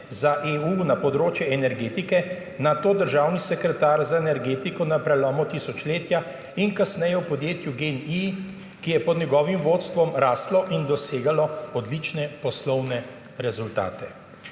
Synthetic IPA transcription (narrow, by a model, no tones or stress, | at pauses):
zaʔeːuːnapɔd̪ɾoːt͡ʃjɛɛnɛɾɡeːt̪ikɛ | nat̪oːd̪əɾʒawnisɛkɾɛt̪aːɾzaenɛɾɡeːt̪ikɔnapɾɛlɔːmɔt̪isɔt͡ʃleːt̪ja | inkasnɛjɛwpɔd̪jeːt̪juɡeni | kijɛpɔd̪nʲjɛɡɔːʋimʋoːt̪st̪ʋɔmɾaːslɔʔind̪ɔseːɡalɔɔd̪lit͡ʃnɛpɔslɔwnɛ | ɾɛzult̪a̰ːt̪ɛ